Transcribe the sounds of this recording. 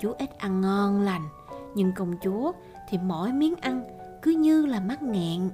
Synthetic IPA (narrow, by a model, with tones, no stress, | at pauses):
t͡ɕu˨˦ʔi˦˥t̚ʔa˧ŋːɔ˧nla˨˩jŋ̟ | ɲɨ˧ŋkə˧˩wŋ͡mt͡ɕu˨˦ə | t̪ʰi˨˩mo̰˧˩jmi˨˦ənʔa˧nkɨ˨˦ɲɨ˧laː˨˩ma˦˥t̚ŋɛ̰˧˨n